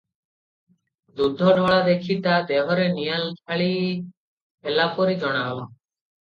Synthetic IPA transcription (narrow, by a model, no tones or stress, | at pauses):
d̪udʱɔnɔːɭad̪eːkʰiːt̪aːd̪eːɦɔɾenijalkʰaɭi | elaːpoɾiːd͡ʒɔɽ̃aːʋɔ